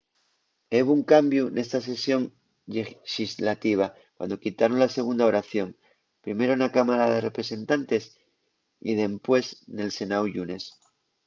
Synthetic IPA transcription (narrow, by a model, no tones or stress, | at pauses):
eβuŋkambjune̞st̪as̬e̞sjo̞ŋ | ʎeʃizlat̪iβ̞a | kwa̰nd̪o̞kit̪aɾonlase̞ɣ̞und̪ao̞ɾaθjo̞ŋ | pɾime̞ɾonakamaɾaðe̞re̞pɾe̞se̞nt̪ant̪e̞s | ḭðe̞mpwe̞sne̞lse̞nawʝune̞s